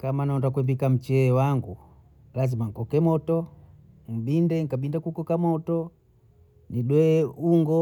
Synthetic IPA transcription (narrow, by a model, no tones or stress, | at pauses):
kamanaɔndak̬wɛbikam̩t͡ʃɛwaŋɡu | lazimaŋ̩kɔkɛmɔtɔ | ŋ̩bindɛŋkaɓindakukɔkamɔtɔ | niɗwɛuŋɡɔ